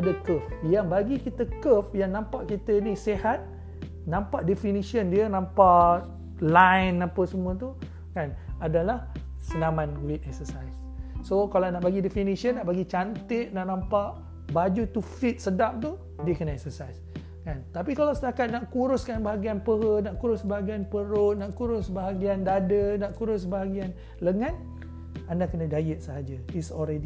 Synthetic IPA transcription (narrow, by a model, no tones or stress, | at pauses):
adakəfjaŋbaɡikit̪əkəfjaŋnãmpaʔkit̪əinisehat̪̚ | nãmpaʔdefinisiəndiənãmpaʔ | lajnːapəsəmũət̪u | kanadalah | sənamãnɡuɪt̪̚ɛk̚səsajsː | okalanaʔbaɡidefinisiənːaʔbaɡit͡ʃant̪ɪʔ̪̚naʔnãmpaʔ | bad͡ʒut̪ufit̪̚sədap̚t̪u | diəkənaɛk̚səsajs | kant̪apikalawsət̪akat̪̚naʔkuɾʊskanbaɦaɡianpəɦənaʔkuɾʊsbaɦaɡianpəɾʊʔnaʔkuɾʊsbaɦaɡiandadənaʔkuɾʊs̬baɦaɡian | ləŋan | andakənadajət̪̚səɦad͡ʒaisɔlɾedi